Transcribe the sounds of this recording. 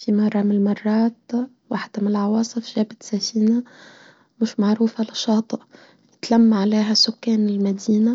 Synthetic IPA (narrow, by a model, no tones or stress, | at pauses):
fimɑrˤːɑmɪnlmɑrˤːɑːt̪ | waħd̪̥amɪnɪlʕɑwɑːsˤɨfʒaːbɪt̪safiːna | mɪʃmaʕɾuːfalɪʃɑːt̪ˤɨʔ | jɪt̪lamːaʕaleːɦasʊkːaːnɪlmad̪iːna